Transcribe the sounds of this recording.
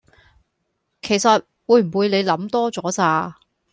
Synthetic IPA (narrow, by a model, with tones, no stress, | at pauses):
kʰe˨˩jsɐ˨t̚ | wuː˨˧jm̩˨˩wu˨˧jne˨˧jlɐ˨˥mt̪ɔː˥t͡sɔː˨˥t͡saː˧